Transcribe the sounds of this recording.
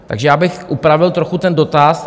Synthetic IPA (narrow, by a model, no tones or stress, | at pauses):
t̪a̰ɡʒɛjaːbɪxʔupɾavɪlt̪ɾoxut̪ɛndo̞t̪as